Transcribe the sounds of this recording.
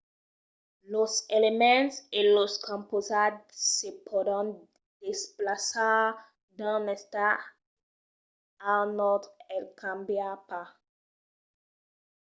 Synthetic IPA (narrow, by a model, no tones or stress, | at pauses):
loselemɛ̃seloskɔ̃mpozad̪sepʰoɾɑ̃n | d̪̥esplasa | d̪ãnɛst̪a | anɔt̪ɛlkʰãmbjapa